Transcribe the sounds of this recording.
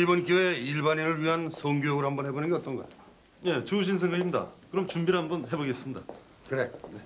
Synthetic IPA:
ibʌnk̬joeiɭbaniɾɯɭɥiɦansʰoŋɡojʌɡɯɾɦambʌnɦe̞bonɯnɡeʌt͈ʌnɡʌka̰tʰ | je̞t͡ɕuuɕ̬ʰins̬ʰe̞ŋɡaɡimɲida̰kɯɾʌmt͡ɕumbiɾɦanbʌnɦe̞boɡes͈ɯmɲida | kɯɾe̞je

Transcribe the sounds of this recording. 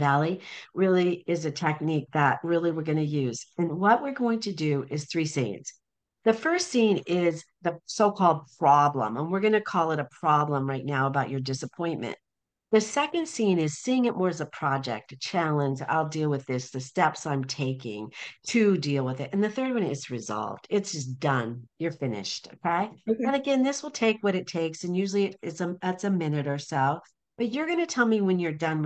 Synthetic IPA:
vælˠiɹɪlˠiɪzɨtʰɛk̚nik̚ðət̚ɹɪlˠiwɨɹɡʌnɨjʉzɨ̃nwʌʔ̚wɪɹɡoʊɪ̃ŋtʰɨdɨʔɪz̥θɹisḭ̃nz̥ | ðɨfɜ˞stsĩnɪz | ðɨsoʊkʰɔlˠd̚pʰɹ̥ɑblə̰̃mə̃nwɪɹɡʌnɨkʰɔlˠəɾəpʰɹ̥ɑblə̃mɹaɪtⁿnaʊəbaʊt͡ʃə˞dɪsəpʰɔ̃ɪ̃nmɨ̰̃n | ðɨsɛkɨ̃nd̥sĩnɪz̥siɪ̃ŋɨt̚mɔɹɨzəpʰɹ̥ɑd͡ʒɛ̰k̚tt͡ʃʰælˠə̃nd͡ʒa̰ɪlˠdilˠwɨðɪsðɨstɛpsãɪ̃mtʰeɪkɪ̰̃ŋtʰɨdilˠwəðɨtɨ̃nðɨθɜ˞d̚wʌ̃nɪzɹɨzɑ̰lˠvd̥ɪtsd̥ʒ̥ʌsd̥ʌ̃njə˞fɪ̃nɪ̰ʃtoʊkʰeɪɨ̃nɨɡɛ̃nðɪswəlˠtʰeɪkwʌɾɨtʰeɪksɨ̃njʉʒl̩ˠiɨɾɪtzəðætsɨmɪ̃nɨɾə˞soʊ | b̥ʌt͡ʃə˞ɡʌnɨtʰɛlˠmiwɨ̃njə˞dʌ̃n

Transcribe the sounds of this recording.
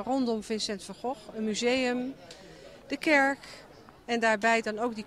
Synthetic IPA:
rɔndɔmvɪnsɛntfəɹχɔχənmyzejəm | d̥əkɛɹk | ɛndaːɹbɛjdɑnowk̚di

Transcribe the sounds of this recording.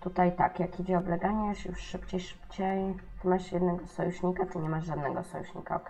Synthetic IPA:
t̪ut̪ajt̪a̰kjakid͡ʑɛɔblɛɡaɲɛʃjuʂːɘpt͡ɕejʂɘ̥pt͡ɕejt̪ɘmaɕjɛd̪nɛɡɔsɔjuɕɲikatɨɲɛmaʐʐad̪nɛɡɔ̰sɔ̰juɕɲḭka̰k

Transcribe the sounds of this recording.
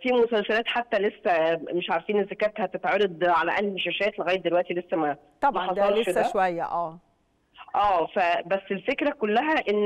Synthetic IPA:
fiːmosælsælæːt̪ħat̪ːælesːæmeʃʕaɾˤfiːnezːækæːt̪hæt̪et̪ʕɑɾˤed̪ˤʕalæʔælːʃæʃæːt̪leɣæjet̪̚d̪elwæʔt̪ilesːæmæ | t̪ɑmæħɑsˤɑlʃdæʃwæjːæ̰ʔæː | ʔæːfæbæsːelfekɾækolːæɦæʔenː

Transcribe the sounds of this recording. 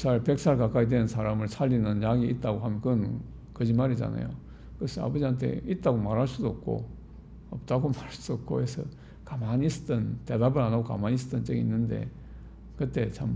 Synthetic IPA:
sʰaɭpe̞k̚s͈ʰaɭkak͈aidwenɯnsʰaɾamɯɭsʰaʎːinɯnjaɡiʔit̚t͈aɡoɦamʌnkɯn | kɯd͡ʑimaɾid͡ʑa̰na̰jo̰ | kɯʌsʰɯa̰bʌd͡ʑiɦantʰe̞̰it̚t͈aɡomaɾɦaɭs͈udoʌp̚k͈o̰ | ʌp̚t͈aɡomaɾaɭsup̚k͈o̰he̞sʰʌ | kamanis͈ɯ̥tʌnte̞dabɯɾanaɡoka̰manis̬͈ɯ̥tʌnt͡ɕəɡinːɯnde̞̰ | kɯtt͈e̞t͡ɕʰam

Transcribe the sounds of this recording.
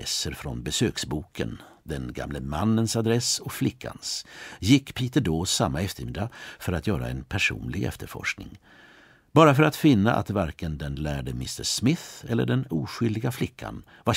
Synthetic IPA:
ɛsːəɾfɾɔnbɛsøːksbuːkʰə̰n | d̪ɛnɡa̰mləmanːənsad̪ɾɛsɔkflɪkʰːa̰nsjɪkːpʰiːt̪əɖoːsamːaɛft̪əɾmɪd̪afœɾat̪jœːɾa̰ɛnpʰæʂṵːnlɪɡɛ̰ft̪əɾfɔ̰ʂknɪ̰ŋ | b̥ɑːɾafœɾat̪fɪnːaʔa̰t̪vaɾkənd̪ɛnlæːɖəmɪst̪əʂmɪθɛlːə̰ɖɛnuːɧʏld̪ɪɡaflɪkʰːa̰n | va

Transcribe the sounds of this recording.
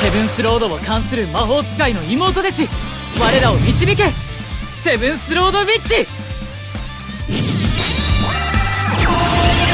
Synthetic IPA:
se̞bɯ̟̃ɰ̃sɨɾo̞ːd̪o̞βokãɰ̃sɨɾɯ̟maɦo̞ːt͡sɨ̥kaino̞imo̞ːt̪o̞d̪e̞ɕi | βaɾe̞ɾaomʲit͡ɕibʲik̬e̞ | se̞bɯ̟̃ɰ̃sɨɾo̞ːd̪o̞bʲit͡ɕi

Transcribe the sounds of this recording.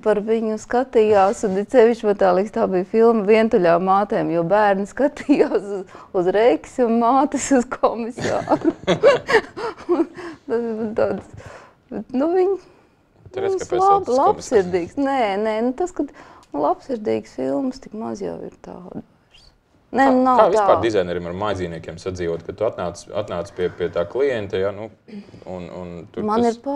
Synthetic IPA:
paɾʋiɲʊskat̪ijaːsund̪itsɛʋiʃt͡ʃpat̪aːlˠikst̪aːbijfilˠmɐviɛnt̪uʎʲaːmaːt̪ɛːmjuɔbæːɾnskat̪ijaːsuzuzɾɛkʲsʲunmaːt̪ɪsuz̥kʰɔmisa̰ːɾu | unt̪ast̪aːd̪s | bɛt̪nuviɲ | ɛssˠablˠampssiɾd̪iːɡsnɛnɛnut̪askɐd̪nlˠapsiɾd̪iːɡsfilˠmst̪ikmazja̰wḭɾt̪a̰ːd̪ɛɾs | nɛnunawaːvsaːpaːɾd̪izajnɛɾiɛmaɾmajziːniɛkʲeɛmsad̪ziːʋoɔt̪kat̪uat̪naːt̪sa̰t̪naːt̪spiɛpiɛt̪aːklˠijɛnt̪ɛjanu | unṵnt̪umanniɾpa

